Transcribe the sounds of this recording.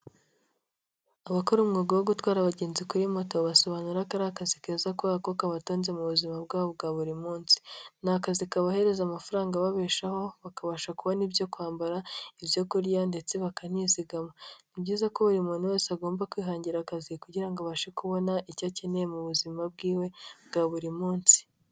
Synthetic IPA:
aβakoɾumŋiɡowo̞ɡutwaːɾaβaɟe̞ːnzikuɾimo̞to̞βaso̞βaːnuɾakaɾakazikeːzakoakokaβato̞ːnze̞muβuzimabɡaːβob̚ɡaːβuɾimuːnsi̥naːkazikaβahe̞ɾe̞zamafaɾaːŋɡaβaβeːʃaho̞βakaβaːʃakuβo̞nibjo̞kuaːmbaɾaiβjo̞kuɾjande̞t͡se̞βakan̥iziɡamonibɟiːzakoβuɾimonuwe̞ːsaɡo̞ːmbakwiːɦaːɲɟiɾaːkazikuɟiɾaŋɡoβaʃekuβo̞naʔicacenejemuβuzimab̚ɡiːwe̞bɡaːβuɾimuːnsi̥

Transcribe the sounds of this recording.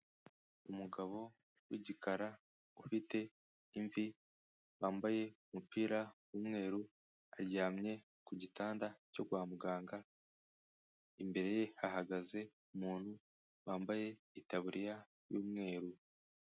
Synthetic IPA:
umuɡaβo̞ | wiɟikʰaɾa | ufite̞ | iɱvi | βaːmbaje̞umupiːɾawuːmŋe̞ːɾu | aɾɟaːmɲe̞ | kuɟitaːndaco̞ɡwaːmuɡaːŋɡa | imbe̞ɾe̞je̞haɦaɡaze̞ | umuːn̥hu | waːmbaje̞ | itaβuɾija | juːmŋe̞ːɾu

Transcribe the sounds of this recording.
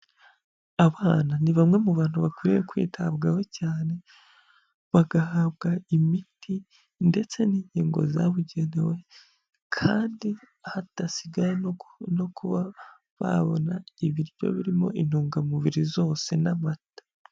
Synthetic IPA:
aβaːnaniβamŋe̞muβaːnhuβakwiɾijekwḭːtʰabɡawe̞caːne̞ | βaɡahaβɡaimitʰi | nde̞t͡se̞niːɲiːŋɡo̞̰za̰βuɟe̞ne̞we̞ | kʰaːndi | ahatasiɡajeno̞kʰuβa | βa̰βo̰naiβiɾjo̰βiɾimo̞̰ʔin̥huːŋɡamuβiɾizo̞ːse̞namatḁ

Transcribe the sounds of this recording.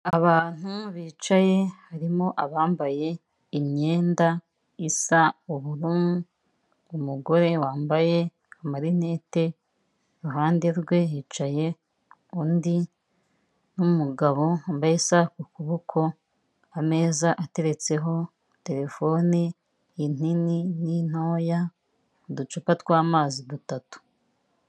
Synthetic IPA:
aβaːn̥uβiːt͡ʃaje̞haɾimo̞ʔaβaːmbaje̞ | imɲe̞ːnda | isauβuɾun | umuɡo̞ɾe̞waːmbaje̞ | amaɾine̞ːte̞ | ɾuɦaːnde̞ɾɡwe̞jit͡ʃaje̞ | undi | numuɡaβo̞ambajesakukuβukʰo̞ | ame̞ːzaʔate̞ɾe̞t͡se̞ɦo̞ | te̞ɾe̞fo̞ni | in̥ininin̥oːja | udut͡ʃupatkwaːmaːzidutatu̥

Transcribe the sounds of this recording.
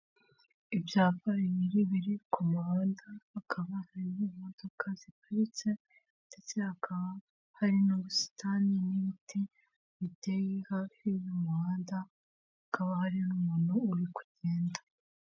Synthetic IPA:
ibjaːpaɾimiɾiβiɾikʰumuɦaːndaːkʰaβahaɾinimodokʰazipuɾit͡se̞ | nd̥e̞t͡se̞hakʰaβa | haɾinoβusi̥tʰaniniβitʰi | βitejihafijomuhaːndaː | kaβahaɾinumuːnhuːɾiku̥ɟ̥eːnda

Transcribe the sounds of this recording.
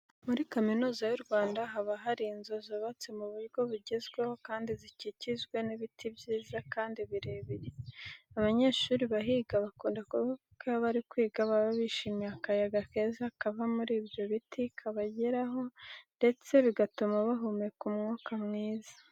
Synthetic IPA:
muɾikaminuːzajuɾɡwaːndaɦaβaɦaɾiːnzo̞zoβat͡semuβuɾɡo̞βuɟe̞zɡweho̞kaːndizicicizɡwe̞niβitʰibɟiːzakaːndiβiɾe̞βiɾeaβaɲe̞ːʃuːɾiβaɦiːɡaβakuːndakuβa | kaβaɾikwiːɡaβaβaβiʃiːmiakajaɡake̞ːzakavamuɾiːbjo̞βitikʰaβaɟeɾaɦo̞nde̞t͡se̞βiɡatumaβaɦumekumŋuːkamŋiːzḁ

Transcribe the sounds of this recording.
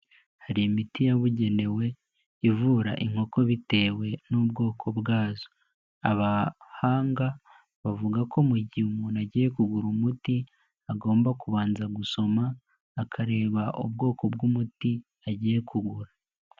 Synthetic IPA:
haɾiimitijaβuɟe̞ne̞we̞ | ivuːɾa̰ʔiŋ̥ho̞ko̞βite̞we̞nub̚ɡo̞ːkʰo̞bɡaːzo | aβahaːŋɡa | βavuɡakʰo̞muɟiumunaɟije̞kuɡuɾumuti | aɡo̞ːmbakuβaːnzaɡuso̞maː | kʰaɾe̞ːβaʔubɡo̞ːko̞bɡumuti | aɟiːje̞kʰuɡuɾa

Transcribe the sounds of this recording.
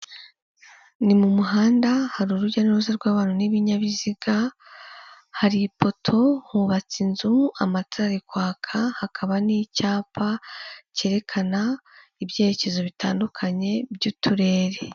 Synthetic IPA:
nimumuɦaːndahaɾuɾuɾɟanuɾuzaɾɡwaːβaːnuniβiɲaβiziɡa | haɾipo̞tʰo̞huβat͡sinzuamataːɾikwaːkʰahakʰaβanicaːpace̞ːɾe̞kʰanaibje̞ːɾe̞ce̞zo̞βitaːndukʰaɲe̞bjuːtʰuɾe̞ːɾe̞

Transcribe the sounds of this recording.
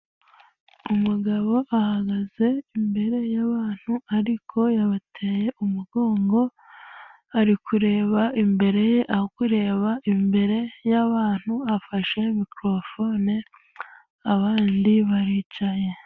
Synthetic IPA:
umuɡaβo̞ʔahaɡaze̞imbe̞ɾe̞jaβaːn̥huaɾikʰo̞jaβatʰe̞je̞ʔumuɡo̞ːŋɡo̞ | aɾikʰuɾe̞ːβaimbe̞ɾe̞je̞ʔaokuɾe̞ːβaʔimbe̞ɾe̞jaβaːn̥huafaʃe̞mikɾo̞fo̞ne | aβaːndiβaɾiːcaje̞

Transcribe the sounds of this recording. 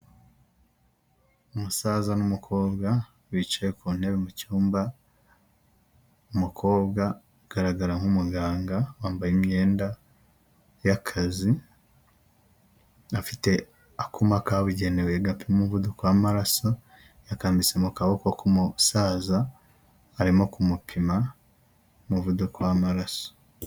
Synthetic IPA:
umusaːzanumukʰo̞ːbɡa | wit͡ʃejekuːn̥he̞βemucuːmba | umukʰo̞ːbɡa | ɡ̥aɾaɡaɾaŋhumuɡaːŋɡawaːmbajimɲe̞ːnda | jakʰazi | afite̞ | akumakaβuɟe̞neweɡapimumuvudukwamaɾaso̞ | jakaːmbisemukaβoko̞kumusaːzaː | ɾimokumupʰima | muvudukwamaɾaso̥

